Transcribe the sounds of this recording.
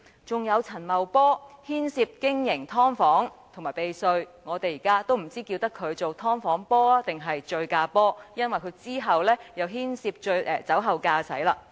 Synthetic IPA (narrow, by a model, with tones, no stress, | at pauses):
t͡sʊ˨ŋjɐ˨˧wt͡sʰɐ˨˩nmɐ˨wpɔː˥hiː˥nsiː˧p̚kɪ˥ŋjɪ˨˩ŋt̪ʰɔː˥ŋfɔː˨˥ŋt̪ʰʊ˨˩ŋmaː˨˩jpe˨jsɵ˧ɥŋɔː˨˧t̪e˨jiː˨˩kaː˥t̪o˥wm̩˨˩t͡siː˥kiː˧wt̪ɐ˥kʰːɵ˨˧ɥt͡so˨wt̪ʰɔː˥ŋfɔː˨˥ŋpɔː˥aː˥t̪ɪ˨ŋɦɐ˨jt͡ʃɵ˧ɥkaː˧pɔː˥jɐ˥nwɐ˨jkʰɵ˨˧ɥt͡siː˥ɦɐ˨wlɛː˥jɐ˨˧wɦiː˥nsiː˧p̚t͡ʃɵ˧ɥʔɛ˨˧t͡sɐ˨˥wɦɐ˨wkaː˧sɐ̰˨˥jlaː˧